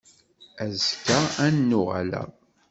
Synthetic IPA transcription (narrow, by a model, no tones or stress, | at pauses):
æzkːaænːʊʁa̰læ̰